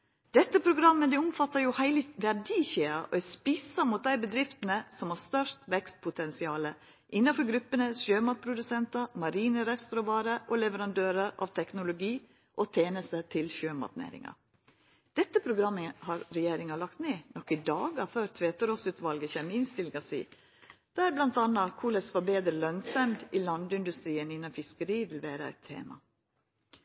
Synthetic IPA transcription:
d̪̥ɛt̪ːəpʰɾʊɡɾɑmːəd̪ɛʊmfɑt̪ːɑɾjʊhæɪləʋæɖiːçeːɑʔɔ̰ɛspisɑmʊt̪̚d̪æɪbəd̪ɾɪft̪ənəsɔmhɑst̪œʂt̪ʋɛkst̪̚pʰʊt̪ʰɛnsɪɑːlə | ʔɪnːɑfɔɾɡɾʉpːənəʃøːmɑt̪̚pʰɾʊd̪ʉsɛnt̪ɑmɑɾiːnəɾɛst̪ɾɔʋɑːɾəʔɔlɛʋəɾɑnd̪øːɾəɾɑ̰ʋt̪ʰɛknʊlʊɡiː | ʔɔt̪ʰeːnəst̪ət̪ʰɪlɕøːmɑ̰t̪nḛːɾɪ̰ŋɑ̰ | d̪̥ɛt̪ːəpʰɾʊɡɾɑmːəhɑɾɾɛjeːɾɪŋɑlɑkt̪neːnɔkːɪd̪ɑːɡɑʋføːɾt̪ʰʋeːt̪əɾɔsʉːt̪ʋɑlɡəçɛːməɪnst̪ɪlɡɑsḭː | d̪̥æːɾblɑnt̪ɑnːɑkʰulɛsʋɑbeːd̪ɾəlœnsɑmd̪ɪlɑnd̪ɪnd̪ʉst̪ɾiːənɪnːɑnfɪskəɾiːʋɪlʋæːɾəæ̰ɪt̪ʰːḛːmɑ̰

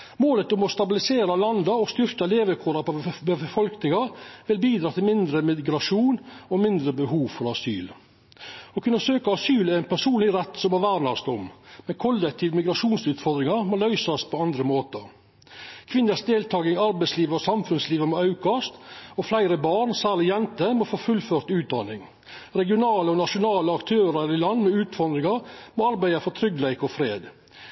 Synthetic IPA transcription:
moːlət̪ʊmɔst̪ɑbɪlɪseːɾɑlɑnd̪ɑɔst̪ʏɾkɑleːʋəkʰuːɾɑpɔbəfəfɔlknɪŋɑʋɪlbiːd̪ɾɑːt̪ʰɪlmɪnd̪ɾəmɪɡɾɑʂuːnɔmɪnd̪ɾəbəɦuːʋfɔɾɑsy̰ːl | ɔkʰʉnːɑsøːkɑɑsyːlæɾɛɪnpʰæʂuːnlɪɾɛt̪ːsɔmæʋæːɾnɑst̪ɔmmɛnkʰɔlːɛk̚t̪ʰiːʋmɪɡɾɑʂuːnsʉːt̪fɔɾd̪ɾɪŋɑɾmɔlœʏsɑspʰɔɑnd̪ɾəmoːt̪ə | kʰʋɪnːəsd̪eːlt̪ʰɑːɡɪŋɑɾbæɪsliːʋəɾɔsɑmfʉnsliːʋəmɔɑʉkɑst̪ɔflæɪɾəbɑːɳsæːɾɭɪjɛnt̪əmofoːfʉlføːɾt̪ʉːt̪̚d̪ɑnɪŋ | ɾɛɡɪʊnɑːləɔnɑʂʊnɑːləɑkt̪ʰøːɾɑɾɪlɑnːmɛʉːt̪fɔɾd̪ɾɪŋɑɾmɔɑɾbæɪɑfɔt̪ʰɾʏɡlæɪkɔfɾeːd̪

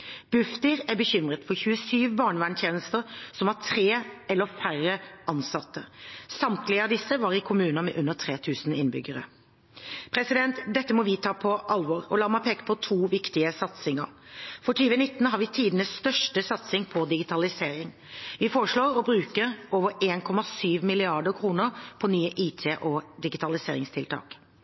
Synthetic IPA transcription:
b̥ʉft̪ɪɾæbəçʏmʁət̪fɔçʉːəsyːʋbɑːɳəʋæːɳt̪ʰjeːnəst̪əɾsɔmhɑt̪ʰɾeːʔɛlːəfærəʔɑnsɑt̪ʰːəsɑmt̪lɪəɑd̪ɪsəʋɑːɾɪkʰʊmʉːnɑmɛ̰ʔʉnːət̪ʰɾeːt̪ʰʉːsn̩ɪnbʏ̰ɡəɾə̰ | pʰɾɛsɪd̪ɛnt̪d̪ɛt̪ːəmɔʋɪt̪ʰɑːpʰɔʔɑlʋɔɾɔlɑːɾmæpʰeːkə̥pʰɔt̪ʰuːʋɪkt̪ɪəsɑt̪sɪŋəɾfɔʈʰyːʋənɪt̪ːnɦɑɾʋɪt̪ʰiːd̪nəsst̪œʂʈəsɑt̪sɪŋpʰɔd̪ɪɡɪt̪ʰɑlɪseːɾɪŋ | ʋɪfoːɾəʂɭoːɾɔbɾʉːkəɾoːʋəɾeːnkʰɔmɑsyːʋmɪlɪɑɖəkʰɾuːnəɾpʰɔnyːəʔiːt̪ʰeːʔɔd̪ɪɡɪt̪ʰɑlɪsḛːɾɪŋst̪ʰɪlt̪ʰɑ̰ːk

